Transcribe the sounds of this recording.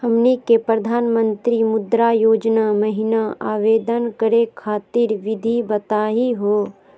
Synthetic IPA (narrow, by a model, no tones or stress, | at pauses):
həmnikepɾəd̪ʱaːnmə̃nt̪ɾimʊd̪ɾajoːd͡ʒnamɐɦɪnaaːʋeːd̪ənkəɾekʰaːt̪iɾʋɪd̪ʱibɐt̪aːɦiɦoː